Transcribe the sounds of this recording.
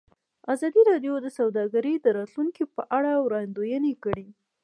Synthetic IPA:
azɑd̪iɾɑɖjod̪əsawd̪ɑɡaɾed̪əɾɑt̪luŋkipəʔaɽawɾɑjnd̪ojənekəɽi

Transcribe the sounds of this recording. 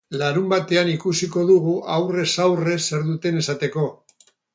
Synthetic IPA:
laɾumbat̪e̞anikusiko̞ðuɣuʔawre̞sawre̞se̞ɾðut̪e̞ne̞sat̪e̞ko̞

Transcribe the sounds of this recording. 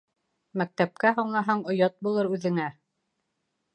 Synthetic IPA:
mæk̚t̪æp̚kæɦuɴlˠɑɦɑɴŏjɑt̪̚bulˠɤɾʉðɘ̆ŋæ

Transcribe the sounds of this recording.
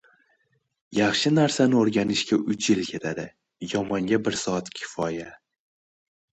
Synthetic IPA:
jaχʃɪnaɾsanɪoɾɡʲanɪʃkʲaʔʊt͡ʃʰjɪlkʲʰe̞t̪ʰad̪ɪ | jɒmɒŋɡʲabɪɾsɒat̪kʲʰɪ̥fɒja

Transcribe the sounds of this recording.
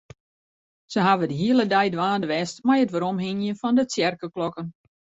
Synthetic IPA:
səɦaʋədəɦiəlˠədɛjdʋaːndəʋɛstmajətʋəɾɔmɦɪnjənfɔndət͡sjɛrkəklɔkən

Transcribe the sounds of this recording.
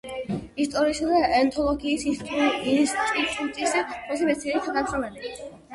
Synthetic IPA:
ist̪ʼɔɾiːsad̪aɛnt̪ʰɔlˠɔɡiːsis | t̪ʼit̪ʼut̪ʼisɔsibɛsʰiɛlik̪ʰad̪amsɔlɛli

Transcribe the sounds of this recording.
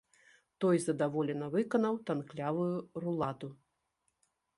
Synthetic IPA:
t̪ɔjzɐd̪avɔlʲɛnɐvɨkɐnɐwt̪anklʲavujurulˠat̪u

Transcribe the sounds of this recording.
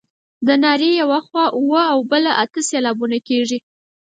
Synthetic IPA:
d̪ənɑɾejawaxwɑʔuwəawbəlaʔat̪əselɑbunakeʐi

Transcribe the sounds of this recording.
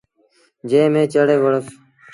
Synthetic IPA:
d͡ʒeːmẽːt͡ʃəɽeːʋəɽəs

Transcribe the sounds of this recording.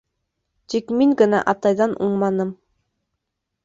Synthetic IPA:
t̪ikmiŋɡɘ̆nɑ̰ʔɑt̪ɑjðɑnʔuɴmɑnɤm

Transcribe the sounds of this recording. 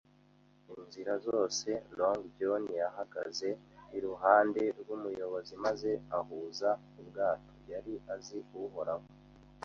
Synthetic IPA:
inziɾazo̞ːse̞loŋɡdjonijaɦaɡa̰ze̞iɾuɦaːnde̞ɾɡumujo̞βo̞zimaze̞ahuːza | ubɡaːtʰojaɾiʔaziuɦo̞ɾaho

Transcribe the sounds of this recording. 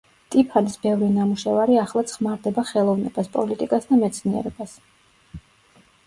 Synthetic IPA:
t̪ʼipʰanisbɛvɾinamuʃɛvaɾiaχlˠat̪sʰχmaɾd̪ɛbaχɛlˠɔvnɛbaspʼɔlit̪ʼikʼasd̪amɛt̪sʰniɛ̰ɾɛbas

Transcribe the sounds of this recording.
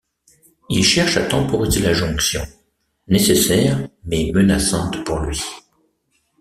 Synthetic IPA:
ilʃɛʁʃat̪ɑ̃pɔʁizelaʒɔ̃ksjɔ̰̃ | nesesɛʁmɛmənasɑ̃t̪puʁlɥi

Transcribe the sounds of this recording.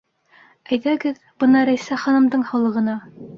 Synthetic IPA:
æjðæɡɘð | b̥ɤnɑɾæjsæχɑnɤ̆md̪ɤɴhɑlˠɤ̆ʁɤ̆nɑ

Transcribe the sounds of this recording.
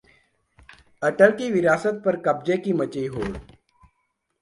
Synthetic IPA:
ɐʈəlkiʋɪɾaːsət̪̚pɐɾkɐb̚d͡ʒekimət͡ʃiɦoːl

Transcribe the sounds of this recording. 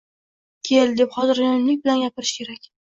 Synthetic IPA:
kʲʰeld̪e̞pχɒzɪɾjɒnlɪk̚ʲbɪlanɡʲapʰɪɾɪʃkʲʰe̞ɾakʲ

